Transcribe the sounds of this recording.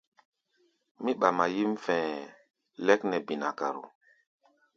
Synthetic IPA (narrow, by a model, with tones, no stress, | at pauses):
mi˦ɓa˨ma˨ji˦mfɛ̃˨ | lɛ˦knɛ˨bi˨na˨ka˨ɾṵ˨